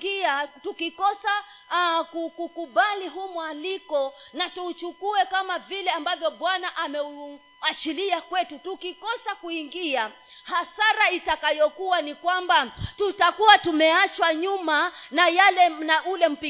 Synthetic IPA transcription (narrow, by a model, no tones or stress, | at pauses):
iatukikɔsa | kukukuɓaliɦumwalikɔnatuːt͡ʃukuɛkamavilɛambavjɔɓwanaʔamɛu | at͡ʃiliakwɛtutukikɔsakuiŋɡia | hasaɾaitakajɔkuwanikwambatutakuwatumɛat͡ʃwaɲumanajalɛnaulɛm̩pi